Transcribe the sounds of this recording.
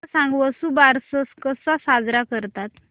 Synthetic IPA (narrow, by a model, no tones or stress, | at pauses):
sãŋɡʋɔsubaɾsɔskəsasad͡zɾakəɾt̪at̪